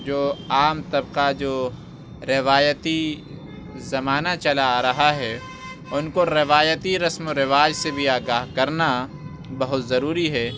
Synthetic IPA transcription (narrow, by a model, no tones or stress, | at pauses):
d͡ʒoːaːmt̪ɐbqad͡ʒoː | ɾɪʋaːjət̪i | zɐmaːnat͡ʃɐlaɾɐɦaɦɛ | ʊnkoɾɪʋaːjət̪iɾɐsmoɾɪʋaːd͡ʒsebʱiaːɡaːɦkɐɾna | bɐɦʊt̪zɐɾuːɾiɦɛː